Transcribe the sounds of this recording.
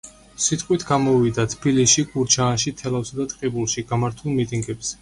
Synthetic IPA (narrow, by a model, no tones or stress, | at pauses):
sit̪ʼqʼwit̪ʰɡamɔvid̪at̪ʰb̥ilisʃiɡuɾt͡ʃʰaːnʃit̪ʰɛlˠafsad̪at̪ʼqʼibulˠʃiɡamaɾt̪ʰulˠmit̪ʼiŋɡɛbz̥ɛ